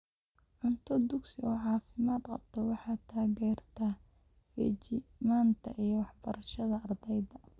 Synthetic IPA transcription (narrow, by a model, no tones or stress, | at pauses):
ʕʊnt̪ʰɔd̪ʊɡsɪɔːʕɑːfɪmaːd̪qɑ̰b̚t̪ʰɔwɑħɑːt̪ʰaːɣɛːrt̪ʰɐ | fḭːt͡ʃɪmaːnt̪ʰɐ̰ʔijɞwɑħbɐɾɐʃɐðɐɐrd̪ɛjðɐ